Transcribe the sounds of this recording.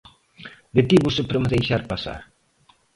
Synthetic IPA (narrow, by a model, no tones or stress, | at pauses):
d̪et̪iβusɪpɾɐmeðejʃaɾpasa̰ɾ